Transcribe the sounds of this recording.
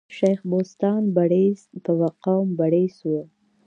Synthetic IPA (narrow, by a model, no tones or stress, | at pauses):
ʃajxbost̪ɑnbaɽesp̪əwaqawmbaɽeswə